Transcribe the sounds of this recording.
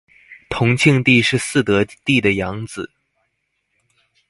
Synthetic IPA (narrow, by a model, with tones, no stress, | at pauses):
t̪ʰʊ˧˥ŋt͡ɕʰi˥˧ŋt̪i˥˧ʂɻ̩˥˧sɹ̩˥˩t̪ɤ˧˥t̪i˥˩d̪ə˩jɑ˧˥ŋd͡zɹ̩˨˩˦